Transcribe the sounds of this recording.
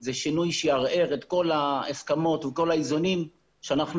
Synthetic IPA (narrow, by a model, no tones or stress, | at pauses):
zeʃinujʃejaʁe̞ʁet̪ko̞laaskamo̞t̪veko̞laizonim | ʃeanaχn